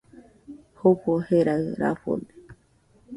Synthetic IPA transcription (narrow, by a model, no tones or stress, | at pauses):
hokoheɾaɨɾa̰fo̰d̪e